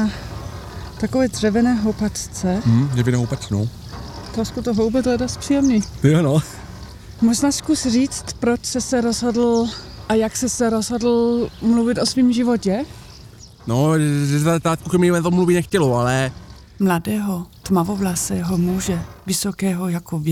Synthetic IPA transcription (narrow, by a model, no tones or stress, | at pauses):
a | t̪akovɛːdrɛvɪnɛːɦowpat̪t͡sɛjɛvɪnɛɦowpat͡snow | t̪oskut̪oɦowbɛd̪lɛdost̪pr̥ijɛmniːt̪jano | moʒnaːskusriːt͡st̪pɾot͡ʃsɛsɛɾozɦodl̩ʔajaksɛsɛɾozɦodl̩mluvɪt̪osviːmʒɪvocɛ | noɛat̪aːt̪̚kukɛmɪnat̪omluvinɛxcɛloalɛ | mladɛːɦot̪mavovlasɛːɦomuːʒɛvɪsokɛːɦojakovɛ